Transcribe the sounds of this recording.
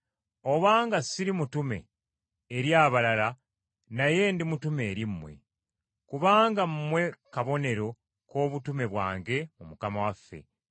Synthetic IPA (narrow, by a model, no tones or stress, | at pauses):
o̞βaːŋɡasiɾimutume̞̰ː | ɾjaːβalala | naje̞ndimutume̞ːɾimːwe̞̰ | kuβaːŋɡamumwe̞kaβo̞ne̞ɾo̞ | ko̞ːβutume̞βwa̰ːŋɡe̞mumukamawafːe̞̰